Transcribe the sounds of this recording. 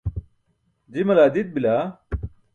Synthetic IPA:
d͡ʑimɐlaːd̪it̪̚bilaː

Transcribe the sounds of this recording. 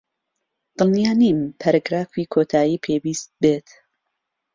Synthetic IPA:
d̪̥ɨlnjaːniːmpʰaɾaɡɾaːfiːkʰot̪ʰaːjiːpʰeːwiːst̪̚beːt̪

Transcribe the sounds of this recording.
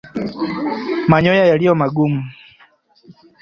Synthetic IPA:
maɲɔjajalijɔmaɡumu

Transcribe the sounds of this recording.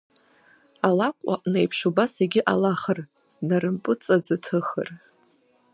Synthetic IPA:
alakʷʼa̰ʔnejpʰʂubaseɡʲɪʔalaχər | narɨmpʼɨt͡sʼad͡zɨtʰɨχə̰r

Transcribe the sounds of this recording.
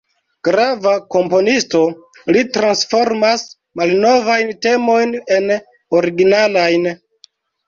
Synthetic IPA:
ɡ̥ɾavako̞mpo̞nisto̞ | litɾansfo̞ɾmas | malno̞vajnte̞mo̞jne̞n | oɾiɡinalajn

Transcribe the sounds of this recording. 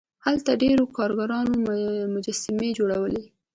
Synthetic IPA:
halt̪aɖeɾokɑɾɡaɾɑnomʊd͡ʒasɪmed͡ʒoɽawəle

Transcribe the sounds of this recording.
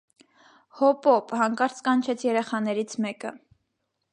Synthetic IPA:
hɔpɔphɑŋkɑɾt͡skɑnt͡ʃʰɛt͡sʰjɛɾɛχɑnɛɾit͡sʰmɛkə

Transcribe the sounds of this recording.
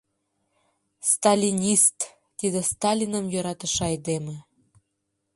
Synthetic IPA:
st̪ɑlʲinʲist̪ː | id̪ĕst̪ɑlʲinəmjøɾɑt̪ə̆ʃɑjd̪emĕ

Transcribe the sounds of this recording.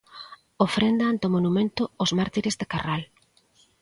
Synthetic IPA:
ofɾend̪aant̪omonumẽnt̪oːzmaɾt̪iɾezðekaral

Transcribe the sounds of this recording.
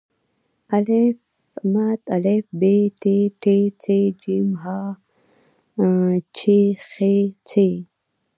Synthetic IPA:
ɐlef | mat̪ɐlefbeʈeʈet͡sʰed͡ʒimɦa | t͡ʃʰexet͡sʰe

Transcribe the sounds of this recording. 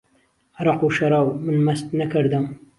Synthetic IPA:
ɾɑquʃɐɾɑwmɨnmɐst̪nɐkʰɨɾd̪ɨm

